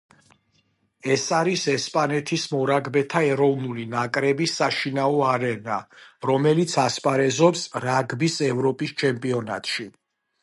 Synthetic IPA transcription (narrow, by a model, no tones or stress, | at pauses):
ɛsaɾisɛspʼanɛt̪ʰismɔɾaɡbɛt̪ʰaɛɾɔvnulinakʼɾɛbisːaʃinaɔaɾɛnaɾɔmɛlit̪sʰaspʼaɾɛzɔpsɾaɡbisɛvɾɔpʼist͡ʃʰɛmpʼiɔna̰t̪ʼʃi